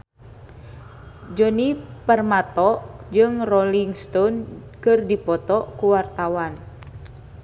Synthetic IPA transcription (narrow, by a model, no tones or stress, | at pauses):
d͡ʒɔnipərmat̪ɔʔd͡ʒɨŋrɔliŋst̪ɔnkɨrdipɔt̪ɔkuwart̪awan